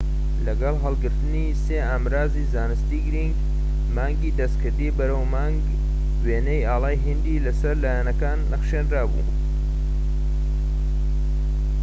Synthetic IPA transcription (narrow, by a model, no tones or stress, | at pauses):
lɐɡɐlˠɦɐlˠɡɨɾt̪ɨniːseːaːmɾaːziːzaːnɨst̪iːɡɨɾiŋɡ | maːŋɡiːd̪ɐst̪kʰɨɾd̪iːbɐɾɐwmaːŋɡ | weːnejaːlaːjɦind̪ilɐsɐɾlaːjanɐkaːnːɐχʃeːnraːbṵ